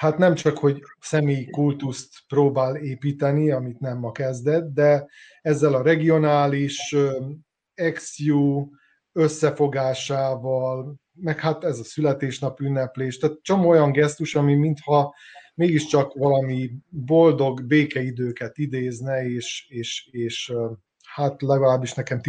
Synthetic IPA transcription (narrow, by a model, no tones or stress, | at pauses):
hat̪nɛmt͡ʃɒkho̞ɟsɛmeːjikult̪ust̪proːbaːleːpiːt̪ɛniɒmit̪nɛmːɒkɛzd̪ɛt̪̚d̪ɛ | ɛzːɛlɒɾɛɡio̞naːliʃø | ɛksjuː | øsːɛfo̞ɡaːʃaːvɒl | mɛkhat̪ɛzɒsylɛt̪eːʃnɒpynːɛpleːʃt̪at̪t͡ʃo̞moːojɒŋɡɛst̪uʃɒmimint̪hɒmeːɡiʃt͡ʃɒkʋɒlɒmibo̞ld̪o̞ɡbeːkɛid̪øːkɛt̪id̪eːznɛeːʃeːʃeːʃ | hat̪lɛɡɒlaːbːiʃnɛkɛmt̪